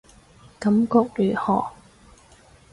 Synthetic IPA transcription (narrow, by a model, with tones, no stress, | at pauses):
kɐ˨˥mkɔː˧k̚ly˨˩hɔː˨˩